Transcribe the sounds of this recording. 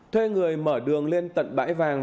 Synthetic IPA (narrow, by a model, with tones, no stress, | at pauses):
t̪ʰwe˧ŋɨ˨˩əjməː˧˩ɗɨ˨˩əŋle˧nt̪ə̰˧˨nɓa̰ː˧˥jvaː˨˩ŋ